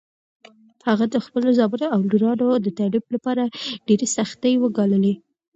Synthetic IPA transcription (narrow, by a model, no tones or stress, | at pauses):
haɣad̪əxpəlozɑbəɾoawluɾɑnod̪ət̪aɾiblapɑɾaɖ̥eɾesaxt̪əjwəɡɑləle